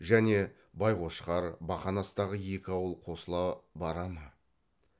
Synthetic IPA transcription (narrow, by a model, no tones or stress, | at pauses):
ʒæne̞ | bɑjqo̞ʃqɑɾbɑχɑnɑst̪ɑʁəje̞kʲɪɑwəlˠqʰo̞səlˠɑbɑɾɑmə